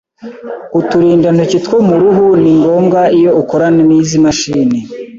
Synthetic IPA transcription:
utuɾiːndan̥hucitkwomuɾuɦuniŋɡo̞ːmɡaijo̞ukoɾaneniːzimaʃiːne

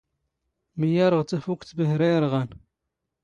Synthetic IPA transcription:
məjɑɾˤəʁt̪æfukt̪bəhɾijɾʁæn

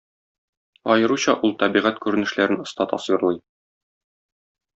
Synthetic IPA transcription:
ɒjɤ̆ɾuɕɑʔulˠt̪ɒbiʁæt̪kʉɾɘ̆nɘ̆ʃlæɾɘnŏst̪ɑt̪ɒ̰svɤɾlˠɤj

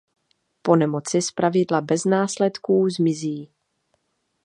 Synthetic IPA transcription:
po̞nɛmo̞t͡sɪspɾavɪdlabɛznaːslɛt̪kuːzmɪziː

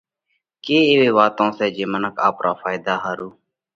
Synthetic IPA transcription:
keːeːʋeːʋaːt̪õːsɛːd͡ʒeːmənəka̰ːpɾʔaːfʰaːɪd̪aːɦaːɾuː

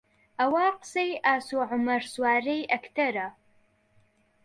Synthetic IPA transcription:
awaːqsejaːsoʕʊmɐrswaːrejʔɐkʰtʰɐɾa

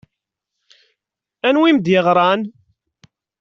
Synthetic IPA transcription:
ænwimd̪jɪʁɾˤɑn

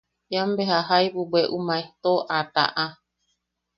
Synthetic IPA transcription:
ambeɦaɦajbubeʔumãeht̪oʔat̪a̰ʔa

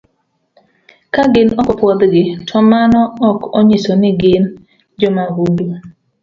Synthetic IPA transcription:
kaɡɪnɔkɔpwɔd̪ɡɪtʰɔmanɔːkɔɲɪsɔnɪɡɪn | d͡ʒɔmaɡudu

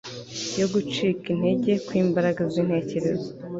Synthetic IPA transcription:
jo̞ɡut͡ʃiːkin̥he̞ɟe̞kwiːmbaɾaɡazin̥he̞ːce̞ɾe̞zo

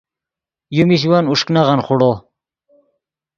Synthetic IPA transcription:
jumiɕ̬wanuʂknaʁɑnχuɽo

